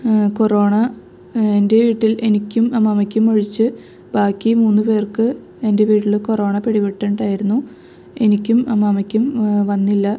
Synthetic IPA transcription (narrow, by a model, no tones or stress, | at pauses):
ko̞ro̞ːɳɐ | ende̞ʋiːʈːile̞nikʲːumɐmɐmɐkʲːumoɻit͡ɕːɨ | baːkʲːimuːnːɨpe̞ːrkɨ | e̞nde̞ʋiːʈːiɭko̞ro̞ːɳɐpeɽiʋeʈːɐɳɖaːjiɾunːu | e̞nikʲːumɐmɐmɐkʲːumʋɐnːilːɐ